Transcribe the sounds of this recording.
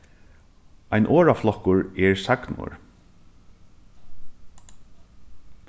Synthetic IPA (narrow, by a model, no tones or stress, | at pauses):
ajnʔɔːɹaflɔhkʊɹɛɹsaknʊ̰ɹ